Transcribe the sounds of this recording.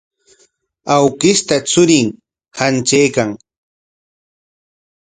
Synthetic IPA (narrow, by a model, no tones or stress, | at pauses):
awkɪst̪at͡sʊɾɪŋ | hant͡ʃejkaŋ